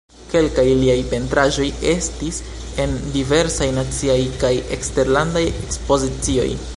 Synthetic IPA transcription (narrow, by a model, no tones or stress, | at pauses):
ke̞lkajliajpe̞ntɾaʒo̞je̞stis | e̞ndive̞ɾsajnat͡siajkaje̞kste̞ɾlandajekspo̞zit͡sio̞̰j